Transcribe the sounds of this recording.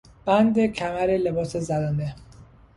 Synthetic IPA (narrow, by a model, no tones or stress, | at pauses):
b̥ænd̪ecʰæmæɾele̞bɒːsezæd̪ɒːnd̪e